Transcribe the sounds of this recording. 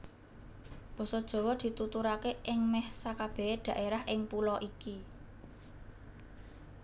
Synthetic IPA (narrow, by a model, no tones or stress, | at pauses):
b̥ɔ̤sɔd̥ʒ̥ɔ̤wɔd̪̥i̤t̪ut̪uɾakeʔɪŋmɛhsakab̥e̤ed̪̥ä̤ʔeɾahʔɪŋpulɔʔiki